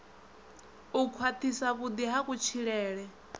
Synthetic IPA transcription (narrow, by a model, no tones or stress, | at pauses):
ukʰwat̪ʰisaβud̪iɦakut͡ʃʰiɺɛːɺɛ